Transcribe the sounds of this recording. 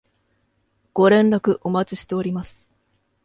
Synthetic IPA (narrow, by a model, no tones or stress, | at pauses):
ɡ̥o̞ɾẽ̞nɾakɯ̟ʔo̞mat͡ɕi̥ɕi̥t̪e̞oɾʲimasɨ̥